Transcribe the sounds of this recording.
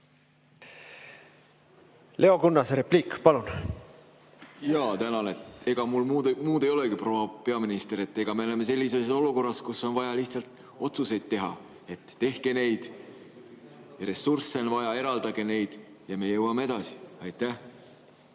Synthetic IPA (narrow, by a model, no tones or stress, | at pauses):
lʔe̞o̞kunːɑsɾepliːkpɑlun | jɑːt̪ænɑne̞t̪e̞ɡ̥ɑmulmud̪muːd̪e̞jo̞leɡipro̞ːhɑpe̞ɑminist̪e̞ɾe̞t̪ːe̞ɡ̥ɑme̞ole̞me̞se̞lʲːise̞so̞luko̞rːɑskusːo̞nvɑjɑliht̪sɑlt̪ | o̞t̪suse̞jd̪̥t̪ːe̞ɦɑ̰ | e̞t̪ːe̞hke̞ne̞jd̪̥ | ɾe̞sursːe̞nvɑjɑe̞ɾɑld̪ɑɡe̞ne̞jd̪̥ | jɑme̞jɤwɑmee̞d̪̥ɑsi̥ɑjt̪ːæh